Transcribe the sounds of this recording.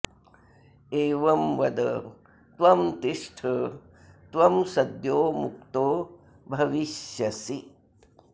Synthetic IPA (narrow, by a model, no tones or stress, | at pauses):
eːʋɐmʋɐd̪ɐ | t̪ʋɐmt̪iʂʈʰɐ | t̪ʋɐmsɐd̪joːmuk̚t̪oː | bʱɐʋiʃjɐsi